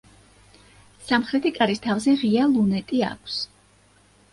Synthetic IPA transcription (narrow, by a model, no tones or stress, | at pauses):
samχɾɛt̪ʰikʼaɾist̪ʰavzɛʁialˠunɛt̪ʼia̰kʰs